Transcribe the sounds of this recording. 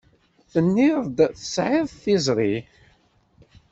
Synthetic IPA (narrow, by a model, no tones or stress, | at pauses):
θənːiðˤd̪θə̥sʕɪðˤθizˤɾˤi